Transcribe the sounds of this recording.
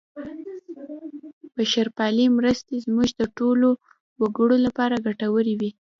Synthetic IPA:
b̥əʃaɾpɑlimɾəst̪ezmuʒd̪əʈolo | waɡəɽolapɑɾaɡaʈawəɾiwi

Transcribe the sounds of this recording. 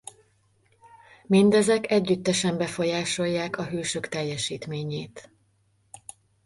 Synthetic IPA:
mind̪ɛzɛkɛɟːyt̪ːɛʃɛmbɛfo̞jaːʃo̞jːaːkɒɦøːʃøkt̪ɛjːɛʃiːt̪meːɲeːt̪

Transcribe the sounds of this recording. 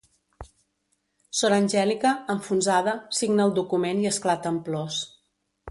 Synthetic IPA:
sonəːnʲʒɛlikəːɱfunzaðəsiɡnəːlˠd̪ukumeniəsklat̪əmplɔs

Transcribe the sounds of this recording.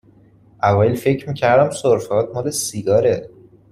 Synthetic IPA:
ʔævɒːjelfe̞cʰɾmiːcʰæɾd̪æmsoɾfeɒːt̪̚mɒːlesiɡɒːɾe

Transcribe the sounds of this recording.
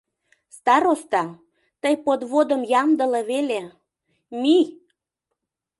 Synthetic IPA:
st̪ɑɾost̪ɑ | t̪əjpod̪βod̪ə̆mjɑmd̪ə̆lɤβele | mi

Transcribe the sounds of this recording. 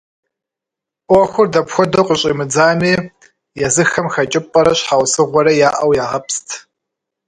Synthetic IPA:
ʔʼʷɔxʷʊrdɐpxʷɔdoqʷʼʊɕʼḭmɨd͡zaːmiː | jɛzɨxɐmxɐt͡ʃʼɪpʼɐɾɐɕħawʷsɨʁʷɔɾɐjaːʔɐwjaːʁɐpstʰ

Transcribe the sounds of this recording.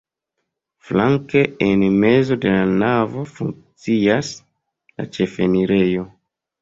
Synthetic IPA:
flaŋke̞enme̞zo̞de̞lanavo̞fuŋk̚t͡sias | la̰t͡ʃe̞fe̞niɾe̞jo̞

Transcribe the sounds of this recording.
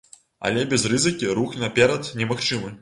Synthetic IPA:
ɐ̰lʲɛbʲɛzrɨzɨkʲiɾuxnʲnɐpʲɛɾɐt̪nʲɛmɐxt͡ʂɨmɨ

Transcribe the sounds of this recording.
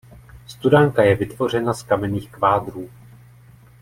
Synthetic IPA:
st̪udaŋkajɛvɪt̪vo̞r̝ɛnaskamɛniːxkvaːd̪ɾuː

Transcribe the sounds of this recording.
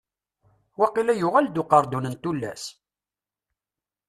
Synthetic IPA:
wæqilæjʊʁæld̪ʊqɑɾˤd̪unənt̪ulːæ̰s

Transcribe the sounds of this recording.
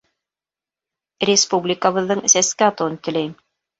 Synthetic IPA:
rʲɪspublʲɪkəβɤ̆ðːɤɴsæskɘɑt̪ɤwɤnt̪ɘ̆læjm

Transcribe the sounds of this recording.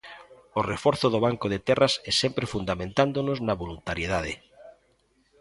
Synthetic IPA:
orefoɾθoðoβ̞aŋkoðet̪ɛrasɛsempɾefund̪amẽnt̪and̪onoznaβolunt̪aɾjeðað̞e

